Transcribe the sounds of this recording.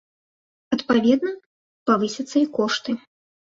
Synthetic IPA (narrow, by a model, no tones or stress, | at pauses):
ɐt̪pavʲɛd̪nɐ | pavɨsʲɐt̪sːɐikɔʂt̪ɨ